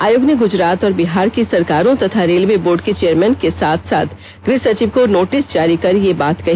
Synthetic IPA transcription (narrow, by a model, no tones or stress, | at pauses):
aːjoɡnəɡʊd͡ʒɾaːt̪ɔːɾbɪɦaːɾkisɐɾkaːɾõt̪ɐt̪ʰaɾeːlʋeboːɾɖket͡ʃejəɾmɛ̃ːnkesaːt̪ʰsa̰ːt̪ʰ | ɡɾɪsɐt͡ʃiʋkonoːʈɪsd͡ʒaːɾikɐɾjebaːt̪kɐɦi